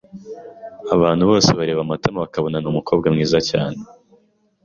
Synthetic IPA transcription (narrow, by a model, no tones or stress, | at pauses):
aβaːn̥huβo̞ːseβaɾeːβamatemaβakaβo̞nanuːmuko̞ːb̚ɡamŋiːzaca̰ːne